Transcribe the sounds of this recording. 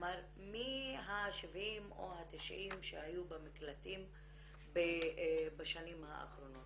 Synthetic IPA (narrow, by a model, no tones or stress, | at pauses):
maɾ | miɦaʃevimo̰hat̪iʃʔimʃehajubamiklat̪im | bebaʃanimha̰a̰χɾo̞no̞t